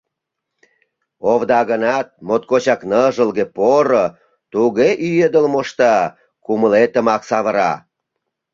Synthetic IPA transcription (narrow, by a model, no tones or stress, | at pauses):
oβd̪ɑɣənɑt̪̚mot̪̚kot͡ɕɑknəʒəlɣepoɾo | t̪uɣeʔyjed̪əlmoʃt̪ɑ | kuməlet̪ə̆mɑksɑβəɾɑ̰